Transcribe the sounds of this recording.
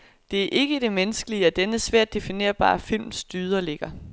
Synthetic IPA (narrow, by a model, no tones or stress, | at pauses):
d̥e̝æɐʔe̝ɡ̥əd̥e̝menəsɡ̥əliəɒd̥enəsʋæɐ̰d̥ːe̝fine̝̰ːɐb̥ɑ̰̈ːfil̰msd̥yːð̞ˠɐle̝ɡ̥ɐ